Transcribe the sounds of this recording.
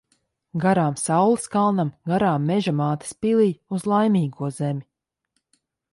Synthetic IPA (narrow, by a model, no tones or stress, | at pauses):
ɡaɾaːmsawlˠiskalˠnamɡaɾaːmːɛʒamaːt̪ḁspilˠiːjuzlˠajmʲiːɡuɔz̥emʲi